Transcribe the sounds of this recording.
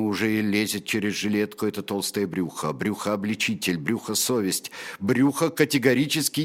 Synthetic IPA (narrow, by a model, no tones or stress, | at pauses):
ʊʐɛɪlʲezʲɪt̪̚t͡ɕeɾʲɪzʐɨlʲet̪kʊɛt̪ət̪olˠst̪əjəbɾʲuxəbɾʲuxəɐblʲɪt͡ɕitʲɪlʲbɾʲuxəsovʲɪsʲtʲbɾʲuxəkətʲɪɡɐɾʲit͡ɕɪskʲɪ